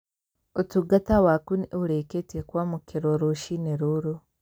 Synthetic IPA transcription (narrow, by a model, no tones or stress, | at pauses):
otuɡatawakuniʔuɾeketekwaːmukeɾoɾoʃineɾoɾo